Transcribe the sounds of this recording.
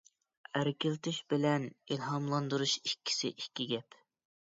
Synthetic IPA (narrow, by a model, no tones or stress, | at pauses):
æɾkʲɪlt̪ʰɪʃbɪlɛnilɦɑmlˠɑnd̪uɾuʃikʲʰːi̥sɪ̰ʔikʲːiɡʲɛp